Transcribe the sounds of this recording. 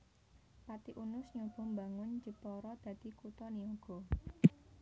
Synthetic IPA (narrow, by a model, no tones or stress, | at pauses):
pat̪iʔunʊsɲɔb̥ɔ̤mbaŋʊnd͡ʒəpɔɾɔd̪̥ä̤d̪̥i̤kut̪ɔniɔɡ̥ɔ̤